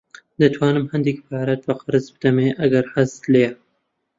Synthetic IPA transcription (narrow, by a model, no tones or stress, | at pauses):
d̪ɐt̪ʰwɑːnɨmhɨnd̪ikpʰaːɾɐt̪̚bɐqɨɾɨzbɨd̪ɐmeːʔɐɡɐɾħazt̪leː